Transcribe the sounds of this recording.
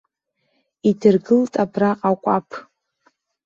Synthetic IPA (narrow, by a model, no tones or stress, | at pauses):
idɨrɡɨltʼabraqʼakʷʼapʰ